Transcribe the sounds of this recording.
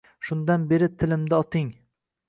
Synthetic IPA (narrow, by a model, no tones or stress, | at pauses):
ʃʊnd̪anbe̞ɾɪt̪ʰɪlɪmd̪aɒt̪ʰɪŋ